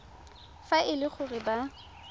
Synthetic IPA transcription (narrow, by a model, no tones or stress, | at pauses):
faʔɪlɪχʰʊrɪba